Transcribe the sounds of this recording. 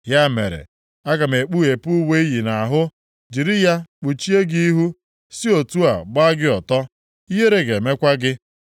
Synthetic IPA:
ja˦mḛ˨ɾḛ˨ | a˦ɡa˨me˨k͡pu˦e˨pu˦we˦i˦ji˨na˨ɦʊ˦ | d͡ʒi˨ɾɪ˦ja˦k͡pu˨t͡ʃi˦e˦ɡi˦i˦ɦu˦ | si˦o˨tu˦a̰˨ɡ͡ba˦ɡɪ˦ɔ˨tɔ˦ | i˦ɦe˦ɾe˦ɡe˨me˦kʷa˦ɡɪ˦

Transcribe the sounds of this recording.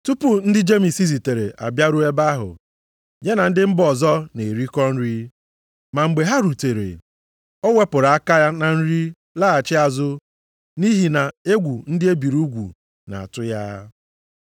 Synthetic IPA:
tu˦pʊ˦n̩˦dɪ˦d͡ʒe˦mi˨si˦zi˨te˨ɾḛ˨ʔa̰˨bja˦ɾu˦e˦ba˦ɦʊ̰˨ | ɲe˦na˨n̩˦dɪ˦m̩˦bɔ˨zɔ˦ne˨ɾi˦kɔ˦n̩˦ɾi˦ | ma˨ŋ͡m̩˨ɡ͡be˨ɦa˦ɾu˨te˨ɾḛ˨ | ɔ˦we˦pʊ˨ɾa˨a˦ka˦ja˦na˨n̩˦ɾi˦ | la˦a˨t͡ʃɪ˦a˨zʊ˦ | ni˦ɦi˨na˨e˦ɡʷu˨n̩˦dɪ˦e˦bi˨ɾu˦ɡʷṵ˨ | na̰˨a̰˨tʊ˦ja˦

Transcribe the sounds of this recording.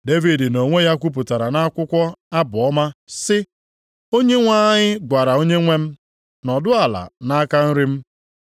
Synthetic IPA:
de˦vi˨di˨no˨ŋʷe˦ja˦kʷu˦p̬ʊ˨ta˨ɾa˨na˦kʷʊ˦kʷɔ˦a˦bʊ˨ɔ˦ma˦sɪ˦ | o˦ɲe˦ŋʷa˦ɲɪ˦ɡʷa˨ɾa˨o˦ɲe˦ŋʷe˦m̩˦ | nɔ˨dʊ˦a˨la̰˨na˦a˦ka˦n̩˦ɾi˦m̩˦

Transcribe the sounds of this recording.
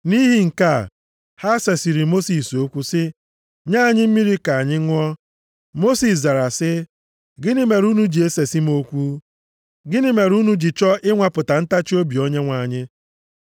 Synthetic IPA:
ni˦ɦi˦ŋ̩˨ka˦˨ | ha˦se˨si˨ɾi˨mo˦si˨so˦kʷu˦sɪ˦ | ɲa˦˨ɲɪ˦m̩˦mi˦ɾi˦ka˨a˨ɲɪ˦ŋʷ˦ɔ˦ | mo˦si˨s̬za˨ɾa˨sɪ˦ | ɡɪ˦nɪ˦me˨ɾu˦nu˦d͡ʒi˨e˦se˨si˦m˦o˦kʷu˦ | ɡɪ˦nɪ˦me˨ɾu˦nu˦d͡ʒi˨t͡ʃɔ˦ʔɪ˦ŋʷa˨pʊ˨ta˨n̩˦ta˦t͡ʃi˦o˦bi˨o˦ɲe˦ŋʷa˨ɲɪ˦

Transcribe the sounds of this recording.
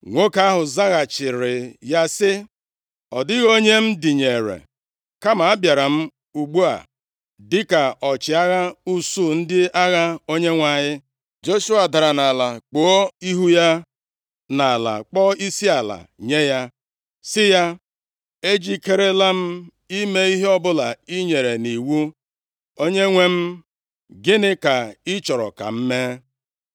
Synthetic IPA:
ŋʷo˦ka˦a˦ɦʊ˨za˦ɣa˨t͡ʃɪ˨ɾɪ˨ja˦sɪ˦ | ɔ˨dɪ˦ɣo˦ɲe˦m̩˦dɪ˨ɲe˨ɾḛ˨ | ka˦ma˨a˦bja˨ɾa˨m̩˦ | u˨ɡ͡bu˦a̰˨ | dɪ˦ka˨ɔ˨t͡ʃɪ˨a˦ɣa˦u˦su˦˨n̩˦dɪ˦a˦ɣa˦o˦ɲe˦ŋʷa˨ɲɪ˦ | d͡ʒo˦ʃu˦a˨da˨ɾa˨na˨la˨k͡po˨˦o˦i˦ɦu˦ja˦ | na˨la̰˨k͡pɔ˦i˦si˦a˨la̰˨ɲe˦ja˦ | sɪ˦ja˦ | e˦d͡ʒi˦ke˦ɾe˦la˦m̩˦ | i˦me˦i˦ɦe˦ɔ˦bʊ˦la˨i˦ɲe˨ɾe˨ni˨wu˦ | o˦ɲe˦ŋʷe˦m̩˦ | ɡɪ˦nɪ˦ka˨ɪ˦t͡ʃɔ˨ɾɔ̰˨ka̰˨m̩˦me˦

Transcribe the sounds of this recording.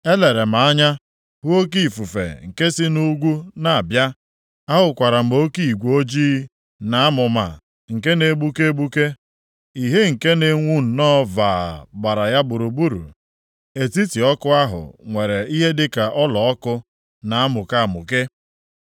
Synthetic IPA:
e˦le˨ɾe˨m̩a˨a˦ɲa˦ | hu˦o˦k̬i˦˨fu˨fḛ˨ŋ̩˨ke˦sɪ˦nu˦ɡʷu˦na˨a˨bja˦ | a˦ɦʊ˨kʷa˨ɾa˨m̩˨o˦ki˦˨i˨ɡʷo˦d͡ʒiː˦ | na˨a˦mʊ˨ma̰˨ | ŋ̩˨ke˦ne˨˦bu˦ke˦bu˦ke˦ | i˨ɦe˦ŋ̩˨ke˦ne˨ŋʷu˦n̩˨nɔ˦vaː˨ɡ͡ba˨ɾa˨ja˦bʊ˨ɾu˨bu˦ɾṵ˨ | e˨ti˦ti˨ɔ˦kʊ˦a˦ɦʊ̰˨ŋʷe˨ɾe˨i˦ɦe˦dɪ˦ka˨ʔɔ˦lɔ˨ɔ˦kʊ˦ | na˨a˦mʊ˨ka˦˨mʊ̰˨ke˦

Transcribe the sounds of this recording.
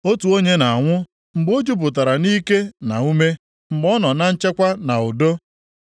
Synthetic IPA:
o˦tu˨o˦ɲe˦na˨ŋʷʊ˦ | m̩˨ɡ͡bo˦d͡ʒu˦p̬ʊ˨t̬a˨ɾa˨niː˦ke˦na˨u˦me˦ | m̩˨ɡ͡bɔ˦nɔ˨na˦n̩˦t͡ʃe˦kʷa˦na˨ʊ˨do˦

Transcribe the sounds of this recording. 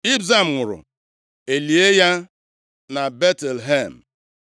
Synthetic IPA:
i˦bza˦˨m̩˨ŋʊ˨ɾʊ̰˨ | e˨li˨e˦ja˦ | na˨be˦tɛ˨lɦe˦˨m̩˨

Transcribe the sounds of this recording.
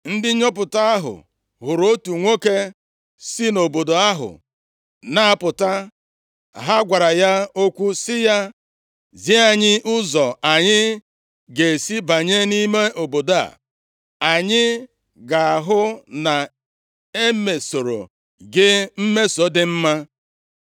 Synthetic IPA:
n̩˦dɪ˦ɲɔ˦p̬ʊ˨ta˦a˦ɦʊ̰˨ | ɦʊ˨ɾo˦tu˨ŋʷo˦ke˦ | si˦no˨bo˨do˨a˦ɦʊ̰˨ | na˨˦˨pʊ˨ta˦ | ɦa˦ɡʷa˨ɾa˨ja˦o˦kʷu˦sɪ˦ja˦ | zi˦a˨ɲɪ˦ʔʊ˦zɔ˨a˨ɲɪ˦ | ɡe˨si˦ba˨ɲe˦ni˦me˦o˨bo˨da̰˨ | a˨ɲɪ˦ | ɡa˨a˨ɦʊ˦na˨ | e˦me˨so˨ɾo̰˨ | ɡɪ˦m̩˦me˦so˨dɪ˦m̩˦ma˦

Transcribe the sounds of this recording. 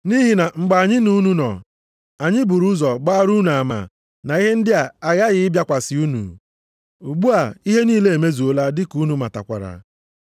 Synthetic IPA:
ni˦ɦi˨na˨ŋ͡m̩˨ɡ͡ba˨a˨ɲɪ˦nu˦nu˦nɔ̰˨ | a˨ɲɪ˦bʊ˨ɾu˦zɔ˨ɡ͡ba˦a˦ɾu˦n˨a˨ma̰˨ | na˨i˦ɦe˦n̩˦dɪ˦a˨a˨ɣa˦ɣɪ˦ɪ˦bja˦kʷa˨sɪ˨u˦nṵ˨ | u˨ɡ͡bu˦a˨i˦ɦe˦niː˦le˦e˨me˦zu˨o˦la˦dɪ˦ku˨˦nu˨ma˨ta̰˨kʷa̰˨ɾa̰˨

